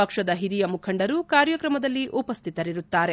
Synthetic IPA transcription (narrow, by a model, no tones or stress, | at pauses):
ɐkʂɐd̪ɐɦiɾijɐmukʰɐɳɖɐɾukaːɾjɐkɾɐmɐd̪ɐlːiʔʔupɐst̪ʰit̪ɐɾiɾut̪ːaːɾe